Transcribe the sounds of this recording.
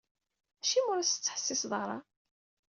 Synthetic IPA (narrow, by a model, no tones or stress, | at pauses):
æʃimʊɾæst͡sːħə̥sːɪsðˤɾˤɑ̰